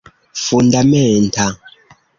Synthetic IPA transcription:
fundamɛntʰa

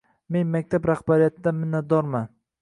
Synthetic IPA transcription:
me̞nmak̚ʲt̪ʰabɾaχbaɾijat̪ʰɪd̪amɪnːat̪̚d̪ɒɾman

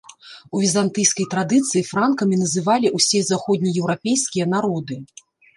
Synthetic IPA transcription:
uvʲizant̪ɨjskɐjt̪ɾad̪ɨt̪sɨjifɾankɐmʲinɐzɨvalʲiʔusʲɛzaxɔd̪ʲnʲijɛwɾapʲejskʲijɐn̪aɾɔd̪ɨ

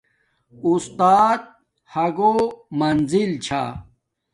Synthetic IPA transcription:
ust̪aːt̪̚ | hɐɡomɐnzilt͡ɕʰa̰ː

